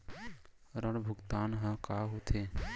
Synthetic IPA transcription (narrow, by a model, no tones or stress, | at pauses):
ɾəɽbʱʊɡt̪aːnɦə̃kaːɦot̪ʰeː